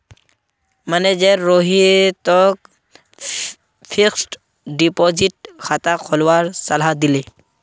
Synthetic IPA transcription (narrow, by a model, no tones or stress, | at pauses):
məned͡ʒeɾːoɦit̪ɔk̚ | pʰiksʈ | ɖipɔd͡ʒiʈkʰat̪akʰɔlwaɾsəlɦad̪ile